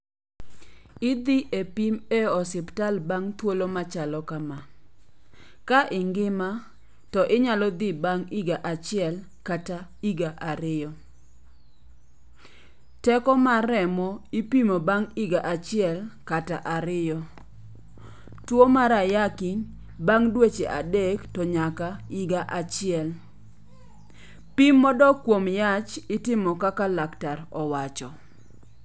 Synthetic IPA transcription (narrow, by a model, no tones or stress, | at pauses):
ɪd̪iʔepimeɔsɪptalbaŋt̪wolomat͡ʃalɔkama | kaʔɪŋɡɪma | tɔʔɪɲalɔd̪ibaŋiɡaʔat͡ʃɪɛl | kataiɡaʔaɾɪjɔ | tɛkɔmaɾɛmɔipimobaŋiɡaʔat͡ʃɪɛlkataʔaɾɪjɔ | twomaɾajakɪn | baŋdwet͡ʃeʔa̰dɛktɔɲakaiɡaʔat͡ʃɪɛl | pimːɔdɔkwomjat͡ʃɪtɪmɔkakalaktarɔwat͡ʃɔ